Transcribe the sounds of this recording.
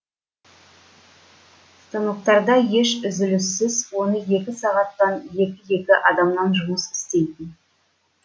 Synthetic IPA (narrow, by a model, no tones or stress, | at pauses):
st̪ənəq̚t̪ɑɾd̪ɑje̞ʃʏzɪlʏsːɪzwo̞nəje̞kʲɪsɑʁɑt̪ːɑnje̞kʲɪje̞kʲɪʔɑd̪ɑmnɑnʒʊməsɪ̥st̪e̞jt̪ɪn